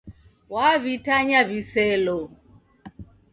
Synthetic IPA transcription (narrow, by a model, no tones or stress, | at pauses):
waβitʰaɲaβisɛlɔ